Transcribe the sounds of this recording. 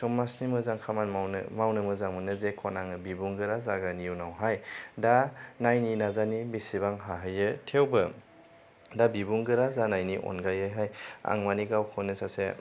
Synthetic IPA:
sɔmːasnimɯzaŋkʰamanaw̰mawnɯmɯzaŋmɯnɯzekʰɔnaŋɯbibuŋɡɯɾazaɡanijuwnawɦajdanajninazanibisibaŋɦaɦɯjɯtʰewbɯ | dabibuŋɡɯɾazanajniʔɔ̰nɡajajɦaja̰ŋmaniɡawkʰɔnɯsase

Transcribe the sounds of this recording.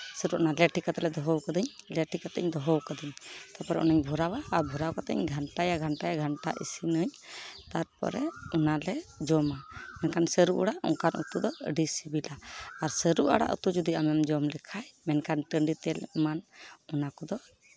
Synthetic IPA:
səɾuʔanaleʈʰikat̪ɛlɛd̪ɔɦɔwkad̪əɲleʈikat̪ɛ̰ɲd̪ɔɦɔwkad̪əɲt̪aɾpɔɾɛɔ̰naɲbʱɔɾawaːɾbʱɔɾawkat̪ɛ̰ɲɡʱaɳʈajaɡʱaɳʈajaɡʱaɳʈa̰ʔḭsinəɲt̪aɾpɔ̰ɾɛɔnalɛd͡ʒɔmamɛnkansəɾuʔɔ̰ɽaʔɔ̰ŋkanʔṵt̪ud̪ɔɖisibilaːɾsəɾuʔa̰ɽa̰ʔṵt̪ud͡ʒud̪iamɛmd͡ʒɔmlɛkʰajmɛnkanʈəɳɖit̪ɛlmanɔnakɔd̪ɔ

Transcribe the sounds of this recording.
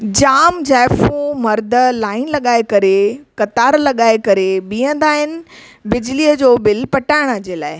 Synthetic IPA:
d͡ʑaːmd͡ʑaːɪfũmɐɾd̪ʱəlaːɪnlɐɠaːekɐɾekɐt̪aːɾlɐɠaːekɐɾeɓiːə̃nd̪aːɦɪnɪ̆ | bɪd͡ʑliːəd͡ʑoːbɪlpɐʈaːɪɽ̃əd͡ʑeːla̰ːɪ

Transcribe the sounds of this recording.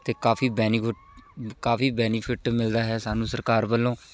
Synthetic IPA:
t̪eːkaːfʰiːbɛːniɪʈkaːfʰiːbɛːnipʰɪʈmɪld̪aːɦɛːsaːnũːsəɾkaːɾbəlːõː

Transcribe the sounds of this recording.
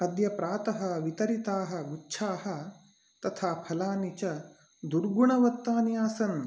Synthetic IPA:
ɐd̪jɐpɾaːt̪ɐɦɐʋit̪ɐɾit̪aːɦɐ̆ɡutːʃʰaːɦɐ̆ | t̪ɐt̪ʰaːpʰɐlaːnit͡ʃɐ | d̪uɾɡuɳɐʋɐt̪ːaːnjaːsɐn

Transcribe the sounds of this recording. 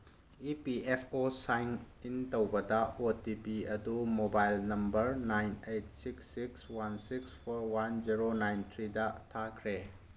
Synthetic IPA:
ipiepʰosajn | intɐwbɐdɐotipiɐdumobajlnɐmbɐɾnajnejt̚siksːikswansikspʰoɾwand͡ʒiɾonajntʰɾidɐtʰakʰɾe

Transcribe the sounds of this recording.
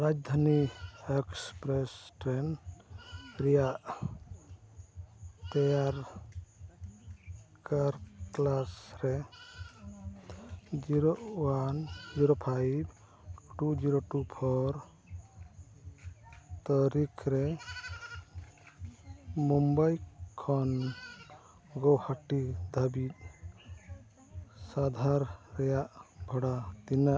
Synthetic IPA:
ɾad͡ʒd̪ʱaniekspɾesʈɾen | ɾija | t̪ejaɾ | kaɾklasɾe | d͡ʒiɾowand͡ʒiɾopʰajb | ʈud͡ʒiɾoʈupʰɔɾ | t̪ɔɾikʰɾɛ | mumbajkʰːɔn | ɡɔwhaʈid̪ʱabit̪̚ | sad̪ʱaɾːɛjaʔbʱɔɽad̪inaʔ

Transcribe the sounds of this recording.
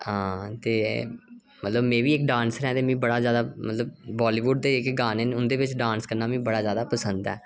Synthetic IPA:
ɦãːt̪eː | mət̪ləbmẽːʋiːɪkɖãːnsɾɛ̃ːt̪eːmĩːbəɽaːzjaːd̪aːmət̪ləbːaːliːʋʊɖ̚d̪eːɪkɡaːneːnʊnd̪eːʋɪt͡ʃɖãːnskəɾnaːmĩːbəɽaːzjaːd̪aːpəsənd̪ɛ̰ː

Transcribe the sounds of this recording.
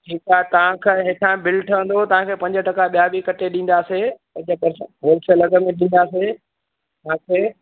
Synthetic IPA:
ʈʰiːkaːet̪ɐʋ̤ãkʰeɦeːʈʰãbɪlʈʰəʋə̃nd̪ot̪ɐʋ̤ãkʰeːpɐ̃ɲd͡ʑəʈɐkaɓijabikɐʈʰeɗĩːn̆d̪aːsepɐ̃ʄəpɐɾsəɦoːlɪsəlɐɡə̆mẽɗĩːn̆d̪aːse | t̪ãkʰeː

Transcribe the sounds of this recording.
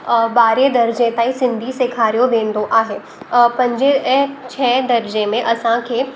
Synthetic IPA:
baːɾed̪ɐɾd͡ʒẽt̪aisɪ̃nd̪ʱisekʰaːɾijõb̪ẽːnd̪oʔaːɦeː | pɐ̃ɲd͡ʒet͡ʃʰɛːd̪ɐɾd͡ʒemẽʔɐsãkʰe

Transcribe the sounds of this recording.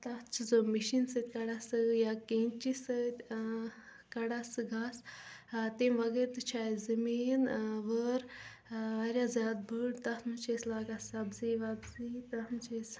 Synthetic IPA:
t̪ɐht͡ʃʰizomiʃinsɨt̪ʲkɐɽasɨjakent͡ʃisɨt̪ʲ | kɐɽasɨɡas | t̪emʋɐɡeɾt̪ɨt͡ʃʰaːizɐmiːnʋəɾ | ʋɐɾʲjazʲjaːd̪̚bɨɽt̪ɐhnut͡ʃʰeslaːɡasɐbziːʋɐbzit̪ɐtnɨt͡ʃʰes

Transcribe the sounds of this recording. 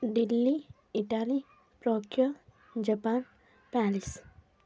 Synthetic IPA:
ɖilːi | iʈaːli | pɾokɾo | d͡ʒəpan | paːlis

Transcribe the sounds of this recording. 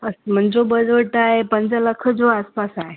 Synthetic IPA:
əsm̤əɳd͡ʑobəd͡zəɭʈaɦepənd͡zələkʰəd͡zoaspasaɦe

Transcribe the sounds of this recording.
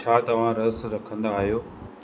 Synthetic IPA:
aːt̪ɐʋ̤ãɾɐsɾɐkʰə̃nd̪aːɦijoː

